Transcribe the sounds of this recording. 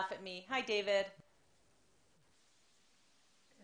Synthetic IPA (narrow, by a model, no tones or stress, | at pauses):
fəʔ̚miɦajdeːvɪd̥